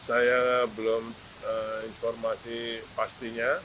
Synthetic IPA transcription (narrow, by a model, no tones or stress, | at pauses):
sajabəlom | əinfɔrmasipast̪iɲa